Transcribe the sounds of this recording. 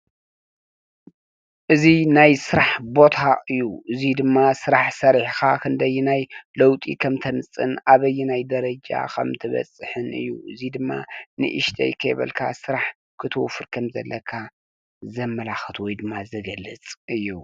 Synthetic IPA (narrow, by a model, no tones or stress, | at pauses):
ʔɨzinajsɨɾaħbo̞t̪ʰaʔɨjːuʔɨzid̪ɨmːasɨɾaħsɐɾħkʰakʰɨnd̪ɐjːunajlɐwt̪ʼḭkʰɐmt̪ʰɐnɨt͡sʼːɨnaβɐjːunajd̪ɐɾɐd͡ʒa̰kʰɐ̰mt̪ʰɨβɐ̰t͡sʼɨħɨnɨ̰jːṵʔɨzid̪ɨmːa̰nɨ̰ʔɨʃt̪ʰɐ̰jkʰɐ̰jβɐ̰lkʰa̰sɨɾaħ | kʰɨt̪ʰɨwfɨɾkʰɐmzɐ̰lːɐkʰa | zɐmːɐlaxɨt̪ʰwɔjd̪ɨmːazɐɡɐlːɨt͡sʼɨjːu